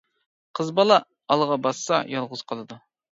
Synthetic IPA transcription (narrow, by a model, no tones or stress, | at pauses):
qʰəzbɑlˠɑː | lˠəʁɑbɑsːɑ̰jɑlˠʁʊz̥qʰɑlˠɨd̪u